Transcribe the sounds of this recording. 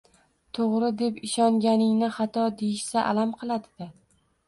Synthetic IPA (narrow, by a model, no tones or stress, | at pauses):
t̪ʰoʁɾɪd̪e̞pɪʃɒŋɡʲanɪŋnɪχɑt̪ʰɒd̪ejɪʃsaʔa̰lamqʰɨlˠad̪ɪd̪ɪ